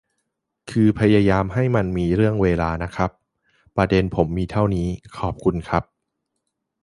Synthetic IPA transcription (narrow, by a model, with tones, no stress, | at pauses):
kʰɯː˧pʰa˧jaː˧jaː˧mɦa˥˩jma˧nmiː˧ɾɯ˥˩əŋweː˧laː˧na˦˥kʰa˦˥p̚ː | ɾa˧de˧npʰo˩˦mːiː˧t̪ʰa˥˩wniː˦˥kʰɔː˨˩p̚kʰu˧nkʰa˦˥p̚